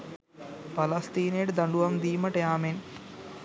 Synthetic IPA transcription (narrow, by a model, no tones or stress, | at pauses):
pɐlɐst̪iːneːʈd̪ɐɳɖuʋɐmd̪iːmɐʈejaːmen